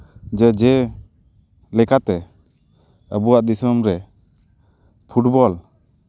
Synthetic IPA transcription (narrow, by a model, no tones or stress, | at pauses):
d͡ʒɛd͡ʒɛ | lɛkat̪ɛ | əbuwaʔd̪isɔmɾɛ | pʰuʈbɔl